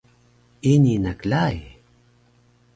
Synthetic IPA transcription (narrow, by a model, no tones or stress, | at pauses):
ininaklaj